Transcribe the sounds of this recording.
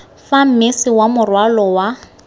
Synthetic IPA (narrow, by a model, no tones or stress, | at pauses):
fam̩mɪsɪwamʊrwalɔwa